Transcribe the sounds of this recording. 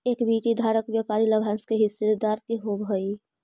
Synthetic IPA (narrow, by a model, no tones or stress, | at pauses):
eːkbiːʈid̪ʱaːɾəkʋjapaːɾilɐbʱãnskeɦɪsːed̪d̪aːɾkiɦobʱəi